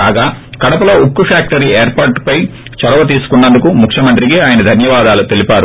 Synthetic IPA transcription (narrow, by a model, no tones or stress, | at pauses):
aːɡaːkɐɽɐpɐlo̞ːukːufaːk̚ʈɐɾiːeːɾpaːɾʈpɐj | t͡ʃɐɾɐʋɐt̪̬iːsu̥kunːɐnd̪ukumukʰjɐmɐnt̪ɾiɡeaːjɐnɐd̪ʱɐnjɐʋaːd̪aːlut̪e̞lipaːɾu